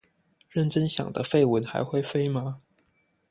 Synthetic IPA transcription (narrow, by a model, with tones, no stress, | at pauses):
ɻə˥˩nʈ͡ʂə˥nɕjɑ̰˨˩ŋd̪ə̰˦fe˥˩ɪwə˧˥nxa̰˧˥ɪxwe˥˧ɪfe˥ɪma˧˥